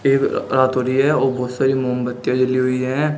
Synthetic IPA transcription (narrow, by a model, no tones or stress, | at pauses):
eːkɾaːt̪ɦoːɾiɦɛoːɾbɔːt̪saːɾimoːmbət̪ːjãd͡ʒəliɦʊiɦɛ̃ː